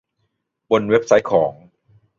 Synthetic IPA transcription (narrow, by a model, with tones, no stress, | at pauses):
bo˧nwe˦˥p̚sa˦˥jkʰɔː˩˦ŋ